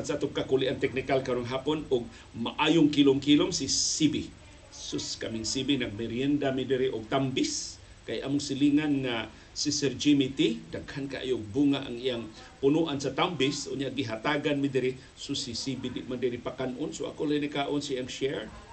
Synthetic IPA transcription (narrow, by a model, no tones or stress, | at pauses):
ansaʔat̪ʊkakuliʔant̪ɛk̚nikalkanaŋɦapʊnʊɡ̚ | maʔajʊŋkilʊŋkilomsisibi | sʊskamiŋsibinaɡ̚meɾjɛnd̪amidiɾiʔʊɡ̚t̪ambɪs | kajʔamʊŋsiliŋanŋa | sisɛrd͡ʒimit̪idaɡhankaʔa̰jʊɡ̚buŋaʔa̰ŋiaŋ | pʊnuʔansat̪ambɪsʔʊ̰ɲaʔɡiɦat̪aɡanmidiɾɪ | sʊsisibidɪʔmandiɾipakanʔʊnsʊa̰kʊlajnikaʔʊnsiaŋʃeɹ